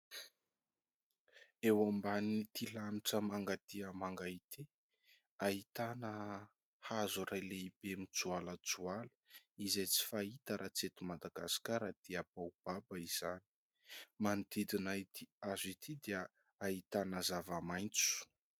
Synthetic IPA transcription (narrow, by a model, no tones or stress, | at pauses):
ewambanit̪ilaniʈ͡ʂəmaŋɡat̪iəmaŋɡait̪i | aɦit̪anə | hazuɾajleibemit͡sualət͡sualə̥izejt͡si̥fait̪əɾʔat͡set̪umad̪aɡasi̥kaɾad̪̥eapawb̥abəiz̥ani̥ | mant̪id̪inait̪iazit̪ʰid̪eə | ait̪anəzavamajnt͡su̥